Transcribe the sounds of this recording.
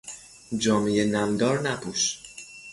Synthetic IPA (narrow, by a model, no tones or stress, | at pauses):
d͡ʒɒːmejenæmd̪ɒːɾnæpʰuːʃ